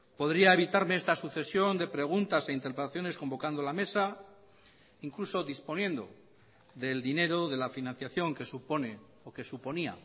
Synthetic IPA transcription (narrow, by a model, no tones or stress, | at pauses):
po̞ðɾiae̞βit̪aɾme̞est̪asuθe̞sjo̞nd̪e̞pɾe̞ɣ̞unt̪ase̞int̪eɾpɾet̪aθjone̞sko̞mbo̞kand̪olame̞sa | iŋkluso̞ðispo̞njẽ̞nd̪o̞̰ | ðe̞ld̪ine̞ɾo̞ðe̞lafinãn̟θjaθjo̞ŋke̞supone | oke̞supo̞nia̰